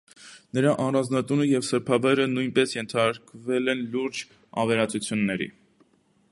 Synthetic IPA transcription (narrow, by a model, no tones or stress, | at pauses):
nəɾɑʔɑrɑnznɑt̪unəjɛvsəɾpʰɑvɑjɾənujnpɛsjɛnt̪ʰɑɾkvɛlɛnluɾd͡ʒ | ɑvɛɾɑt͡sut͡sʰjunːɛɾḭ